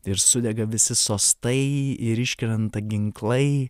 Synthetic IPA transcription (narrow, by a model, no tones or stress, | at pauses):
ɪɾsʊd̪ʲɛɡɐʋʲɪsʲɪsoːst̪ɐɪɪɾɪʃʲkʲɪɾʲɛnt̪ɐɡʲɪŋklˠɐɪ